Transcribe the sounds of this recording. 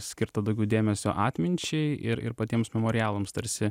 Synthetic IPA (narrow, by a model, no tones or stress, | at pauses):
sʲkʲɪɾt̪ɐd̪ɐʊɡʲɛʊd̪ʲeːmʲɛsʲo̰ːʔɑːt̪ʲmʲɪnʲt͡ʃʲɛɪɪɾɪ̰ɾpɐt̪ʲiɛmsmʲɛmoːɾʲɪjæːlˠomst̪ɐɾʲsʲɪ